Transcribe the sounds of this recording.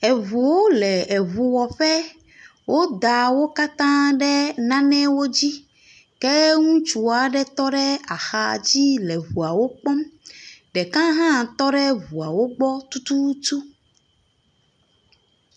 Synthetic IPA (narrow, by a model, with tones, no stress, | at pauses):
ɛ˨vu˨wo˦lɛ˨ɛ˨βu˨wɔ˨ɸɛ˦ | wʔo˦d̪a˨wo˦ka˦t̪ã˦ɖɛ˦nã˦nɛ̃˦wo˦d͡ʑi˦ | kɛ˦ŋũ˦t͡ʃu˨a˨ɖɛ˦t̪ɔ˦ɖɛ˦a˨xa˨d͡ʑi˦lɛ˨βu˨a˨wo˦k͡pɔ̃˦mɖɛ˨kã˦ɦã˦t̪ɔ˦ɖɛ˦vu˨a˨wo˦ɡ͡bɔ˦t̪u˦t̪u˦t̪u˦